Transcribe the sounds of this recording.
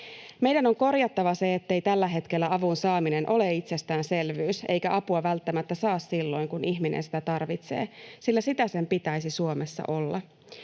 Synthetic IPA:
me̞jdæno̞ŋko̞rjɑt̪ːɑʋɑse̞ːt̪ːe̞jt̪ælːæɦe̞t̪kelːæɑʋunsɑːmine̞nʔo̞le̞it̪se̞st̪æːnse̞lʋyːse̞̰jkæʔɑpuɑʋælt̪ːæmæt̪ːæsɑːssilːo̞jŋkuniçminʔḛnsi̥t̪æt̪ɑrʋit̪se̞̰ːsilːæsit̪æse̞mpit̪æjsisuo̞mesːɑ̰ʔo̞lːɑ

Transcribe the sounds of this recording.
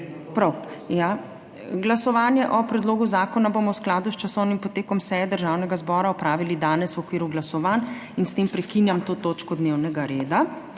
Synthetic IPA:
pɾawja | ɡlasɔʋaːnjɛʔɔpɾɛd̪loːɡuzaːkɔnabomɔwsklaːd̪ust͡ʃasɔwnimpɔt̪eːkɔmsɛjɛd̪əɾʒaːwnɛɡazbɔːɾaɔpɾaːʋilid̪aːnɛswɔkʋiːɾuɡlasɔʋan | inst̪empɾɛkinjamt̪oːt̪oːt͡ʃkɔd̪newnɛɡaɾeːd̪a

